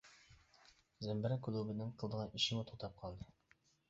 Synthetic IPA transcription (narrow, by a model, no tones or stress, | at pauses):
zæmbɘ̆ɾækʉlˠubɘ̆nːɘŋqɤ̆lˠd̪ɤ̆ʁɑiɕɘ̆mɘt̪ʰut̪ɑp̚qʰɑlˠd̪ɤ